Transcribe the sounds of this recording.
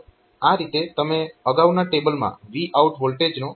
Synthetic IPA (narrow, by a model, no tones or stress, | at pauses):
aɾit̪et̪əmeəɡaʋwnaʈebəlmã̰ʋiʔauʈɦolʈed͡ʒno